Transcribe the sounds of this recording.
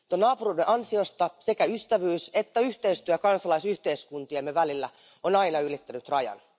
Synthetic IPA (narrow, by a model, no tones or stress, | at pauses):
t̪onɑːpuruideʔɑnsiost̪ɑsekæyst̪æʋyːset̪ːæyht̪eist̪yækɑnsɑlɑisyht̪eiskunt̪iɑmːeʋælilːæ | onɑinɑylit̪ːænyt̪rɑjɑ̰n